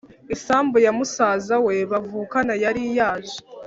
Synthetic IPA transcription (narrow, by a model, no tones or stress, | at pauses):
isaːmbujamusaːzawe̞βavuːkanajaɾijaːʒe̥